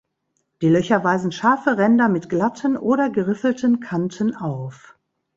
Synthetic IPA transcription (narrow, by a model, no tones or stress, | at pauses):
d̥iːlœçɐvaɪzn̩ʃaɐfəʁɛndɐmɪtɡ̥latʰənʔoːɾɐɡəʁɪfl̩tənkʰantʰənaʊf